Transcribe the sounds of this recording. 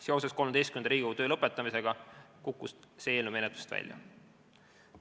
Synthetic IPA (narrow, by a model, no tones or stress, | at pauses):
se̞o̞se̞sko̞lmed̪est̪kymend̪ɑɾiːɡ̥ut̪øːlɤpːˑe̞t̪ːˑɑmise̞ɡ̥ɑkukːust̪seːlnume̞net̪ːˑu̥st̪væ̰lʲjɑ̰